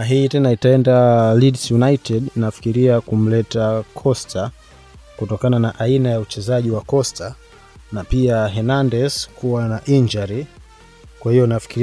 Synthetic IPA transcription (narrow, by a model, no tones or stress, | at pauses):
aɦitɛnaitaɛndalidsjunaitɛdnafi̥kiɾiakum̩lɛtakʰɔstʰa | kutɔkananaʔainajaut͡ʃɛzaʄiwakɔstʰa | napiaɦɛnandɛskuwanaʔiɲd͡ʒaɾi | kwahijɔnafi̥kiɾ